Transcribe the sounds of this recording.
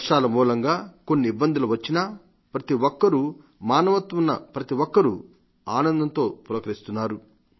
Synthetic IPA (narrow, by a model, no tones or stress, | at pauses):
ʂaːlɐmuːlɐŋɡaːkonːiːbːɐnd̪ʱuluʋɐt͡ʃːinɐ | pɾɐt̪iʋɔkːɐɾu | maːnɐʋɐt̪ʋunːɐ̰pɾɐt̪iwɔkːɐɾu | aːnɐnd̪ʱɐnt̪o̞ːpuɾɐkɐɾist̪unːaːɾu